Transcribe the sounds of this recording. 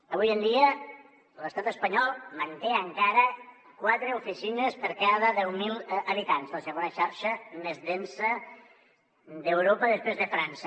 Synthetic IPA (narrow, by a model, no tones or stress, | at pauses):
əβ̞ujənd̪iə | ləst̪at̪əspəɲɔlˠmənt̪eəŋkaɾə | kwat̪ɾəufisinəspəɾkaðəðɛwmilˠəβit̪anzləsəɣonəʃaɾʃəmezðɛnsə | d̪əwɾopəðəspɾezðəfɾansə